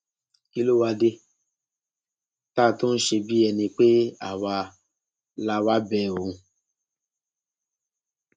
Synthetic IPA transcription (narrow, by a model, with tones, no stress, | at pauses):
i˦˧lo˦wa˧de˧ | taː˦˨tõ˦n̩˦ʃe˧bi˦ɛ˧nĩ˧k͡pe˦a˨wa˧ | la˧wa˦bɛ˦˨o˨ũ˧